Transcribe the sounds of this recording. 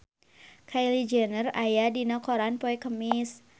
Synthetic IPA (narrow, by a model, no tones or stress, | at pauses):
kʰajlid͡ʒənərajadinɔkɔɾanpɔɛkəmis